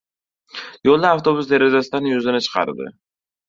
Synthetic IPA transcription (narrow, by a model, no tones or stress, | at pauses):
jolˠd̪aaft̪ʰo̞bʊsd̪e̞ɾed͡ʒasɪd̪anjʊzɪnɪt͡ʃʰɨ̥qʰɑ̰ɾd̪ɪ̰